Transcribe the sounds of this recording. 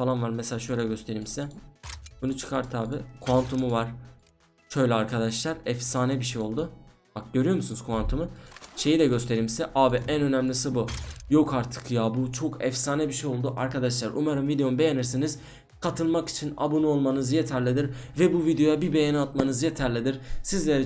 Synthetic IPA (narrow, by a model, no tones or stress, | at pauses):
falˠanvaɾmɛselʲaːʃø̞jlʲɛɟø̞st̪ʰe̞ɾimsɛb̥unut͡ʃʰɯ̥kʰaɾt̪ʰaːbikʰoant̪ʰumuvaɾ̥ | ʃø̞jlʲɛaɾkʰad̪aʃlˠaɾɛfsaːnɛbiʃejo̞lˠd̪ʊ | bak̚ɟø̞ɾyjo̞musunuz̥kʰoant̪ʰumuʃe̞jid̪ɛɟø̞st̪ʰe̞ɾimsɛʔaːbiʔænø̞næmlʲisibujo̞kʰaɾt̪ʰɯ̥kjaːbut͡ʃʰo̞kʰɛfsaːnɛbiʃejo̞lˠd̪uʔaɾkad̪aʃlˠaɾṵmaɾɯmvid̪ejo̞nbe̞jeniɾsiniz̥ | kʰat̪ʰɯlˠmaki̥t͡ʃʰina̰bonuo̞lˠmanɯzje̞t̪ʰæɾlʲid̪iɾvɛbuvid̪ejo̞jabibe̞jenɛat̪manɯzjet̪ʰæɾlʲid̪iɾ̥sizlʲe̞ɾɛ